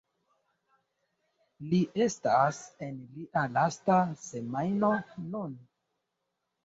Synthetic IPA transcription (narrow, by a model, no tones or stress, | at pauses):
liʔe̞stase̞nliʔalastase̞majnonun